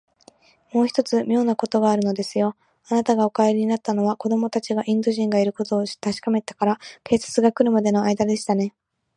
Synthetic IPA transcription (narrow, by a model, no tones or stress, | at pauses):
mo̞ːçi̥t̪o̞t͡sɨmʲo̞ːnako̞t̪o̞ɡaːɾɯ̟no̞d̪e̞sɨjo̞ | anat̪aɡao̞kaeɾʲiɲ̟inat̪ːano̞β̞ako̞d̪o̞mo̞t̪at͡ɕiɡaʔĩnd̪o̞ʑĩŋɡaiɾɯ̟ko̞t̪o̞ːt̪aɕi̥kame̞t̪ḁkaɾake̞ːsḁt͡sɨɡakɯ̟ɾɯ̟mad̪e̞no̞aid̪ad̪e̞ɕi̥t̪ane̞